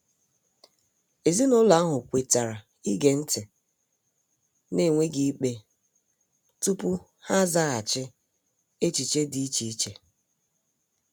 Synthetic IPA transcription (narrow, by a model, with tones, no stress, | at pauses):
e˨zi˦nʊ˦la˨˦a˦ɦʊ˨kʷe˨ta˨ɾa˨ | i˦ɡe˨n̩˦tʰe˨ | ne˦˨ŋʷe˦ɡi˦k͡pe˦ | tu˦pʊ˦ | ha˦za˦ɣa˨t͡ʃɪ˦ | e˦t͡ʃi˨t͡ʃe˦di˨˦i˦t͡ʃi˨i˦t͡ʃe˨